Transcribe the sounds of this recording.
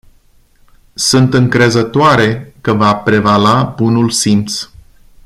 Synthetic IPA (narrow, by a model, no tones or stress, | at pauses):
sunt̪ɨŋkɾe̞zət̪oaɾe̞kəvapɾe̞valabunulsimt̪s